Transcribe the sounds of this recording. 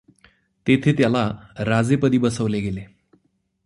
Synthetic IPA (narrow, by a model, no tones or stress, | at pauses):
t̪et̪ʰet̪jalaɾad͡zepəd̪iːbəsəʋleɡele